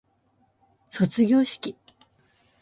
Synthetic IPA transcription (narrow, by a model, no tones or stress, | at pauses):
so̞t͡sɨɡʲo̞ːɕi̥kʲi